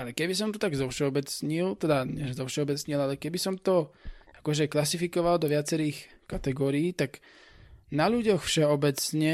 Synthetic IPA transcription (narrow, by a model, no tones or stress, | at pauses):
alɛkɛbisɔmt̪ɔt̪aɡzɔʊʃɛɔbɛt͡sɲilt̪ɛd̪aɲɛʒɛzɔʊʃɛɔbɛt͡sɲilalɛkɛbisɔmt̪ɔakɔʒɛklasifikɔʋald̪ɔʋɪat͡sɛɾiːx | kat̪ɛɡɔːɾiːt̪aɡ | naʎuɟɔxfʃɛɔbɛt͡sɲɛ